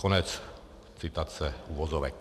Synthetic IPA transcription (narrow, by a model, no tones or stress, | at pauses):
ɔɲɛt͡s | t͡sit̪at͡sɛuʋɔzɔʋɛ̰k